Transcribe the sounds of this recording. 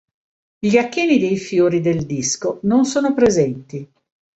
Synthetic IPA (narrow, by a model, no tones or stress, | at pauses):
iakːiːnid̪ejfjoːɾid̪eld̪iskononsoːnopɾezɛnt̪i